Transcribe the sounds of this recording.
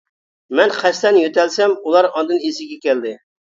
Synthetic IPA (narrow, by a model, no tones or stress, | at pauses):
mɛnχɛst̪ɛnjøt̪ɛlsɛmulˠɑɾɑnd̪ɨnesɪɡʲɛkʲɛld̪ɪ